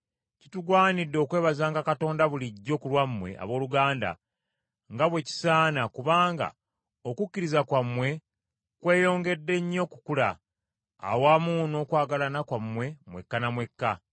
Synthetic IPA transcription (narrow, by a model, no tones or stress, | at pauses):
cituɡwaːnidːo̞ːkwe̞ːβazaːŋɡakato̞ːndaβuliɟːo̞ːkulwamːwe̞̰ʔa̰βo̞ːluɡaːnda̰ | ŋɡaβwe̞ci̥saːnakuβaːŋɡa̰ | okucːiɾizakwamːwe̞ | kwe̞ːjo̞ːŋɡe̞dːe̞ɲːo̞kukula̰ː | waːmuno̞kwaːɡalanakwamːwe̞mwe̞̰kːanamwe̞kːa